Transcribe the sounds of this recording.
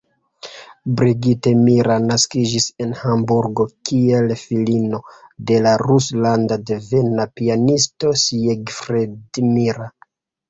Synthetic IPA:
bɾiɡitemiɾanaskid͡ʒise̞nhambuɾɡo̞kie̞lfilino̞de̞laɾuslandadeve̞napianisto̞seɡfɾedimiɾa

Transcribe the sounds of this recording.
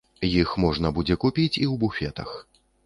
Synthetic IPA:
jixmɔʐnɐbud͡zʲɛkupʲit͡sʲiwbufʲɛt̪ɐ̰x

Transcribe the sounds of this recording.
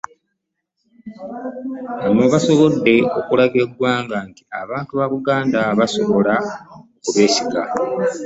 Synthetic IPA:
βano̞ːβaso̞βo̞dːe̞o̞kulaɡe̞ɡwaːŋɡanti̥a̰βaːntuβaβuɡaːndaβaso̞βo̞laokuβeːsiɡa̰

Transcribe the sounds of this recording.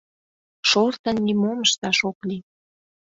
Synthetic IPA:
ʃort̪ə̆nːimoməʃt̪ɑʃokli

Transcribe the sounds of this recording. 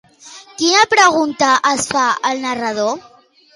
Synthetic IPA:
kinapɾaɣunt̪aʔasfaalnaraðo

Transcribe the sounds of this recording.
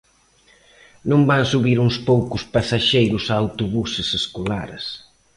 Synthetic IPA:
nõmbansuβiɾuŋspowkʊspasaʃejɾʊsaːwt̪uβusɪseskola̰ɾs

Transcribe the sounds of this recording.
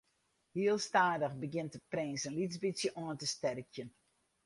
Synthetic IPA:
hiəlˠstaːdəxbəɡɪntəprɪnsənlisbisjəʔoəntəstɛrəkjən

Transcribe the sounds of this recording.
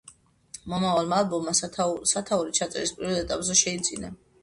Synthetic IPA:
mɔmavalˠmaːlˠbɔmːasat̪ʰauɾit͡ʃʰat̪sʼɛɾispʼiɾɔd̪ɛt̪ʼapʼzɛʃɛid̪zina

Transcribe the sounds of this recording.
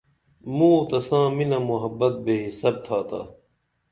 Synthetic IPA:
mũːt̪ɐsãːminɐmuɦɐbːɐt̪̚beːɦisɐb̚t̪ʰaːt̪a̰ː

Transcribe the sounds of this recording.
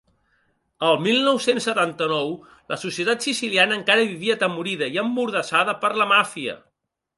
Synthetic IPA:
əlˠmilˠnɔwsensːət̪ant̪ənɔw | ləsusiət̪at̪sisilianəːŋkaɾəβiβiət̪əmuɾiðəiəmbuɾðəsaðəpəɾləmafiə̰

